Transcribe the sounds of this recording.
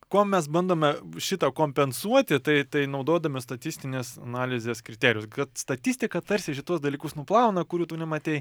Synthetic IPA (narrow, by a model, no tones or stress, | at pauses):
koːmʲɛs̬bɐnd̪oːmʲɛʃʲɪt̪ɐkoːmʲpʲɛnsuɔt̪ʲɪt̪ɐɪt̪ɐɪnɐʊd̪oːd̪ɐmʲɪst̪ɐt̪ʲisʲt̪ʲɪnʲeːsɐ̰nɑːlʲɪzʲeːskɾʲɪt̪ʲæːɾʲjʊskɐt̪st̪ɐt̪ʲisʲt̪ʲɪkɐt̪ɐɾʲsʲɪʃʲɪt̪uɔsd̪ɐlʲiːkʊsnʊplˠɑˑʊnɐkʊɾʲuːt̪uːnʲɛmɐt̪ʲɛɪ